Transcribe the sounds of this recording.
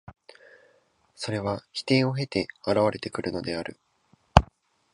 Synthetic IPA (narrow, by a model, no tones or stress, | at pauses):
so̞ɾe̞β̞açi̥t̪ẽ̞ɰ̃o̞ɦe̞t̪e̞aɾaβaɾe̞t̪e̞kɯ̟ɾɯ̟no̞d̪e̞aɾɯ̟